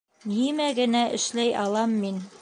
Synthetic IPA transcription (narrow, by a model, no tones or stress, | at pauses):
nimæɡɘ̆næʔɘ̰̆ʃlæjɑlˠɑmːin